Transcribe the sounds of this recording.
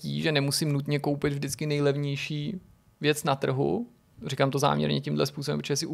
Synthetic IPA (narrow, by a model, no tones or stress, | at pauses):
ḭːʒɛnɛmusɪmnut̪ɲɛkowpɪd̪vʒdɪt͡skɪnɛjlɛvɲɛjʃiː | vjɛt͡snat̪r̩ɦṵ | rikamt̪oza̰ːmɲɛ̰ɾɲɛ̰cɪmdlɛ̰spuːsobɛ̰mpːt͡ʃʰɛɛsɪʔu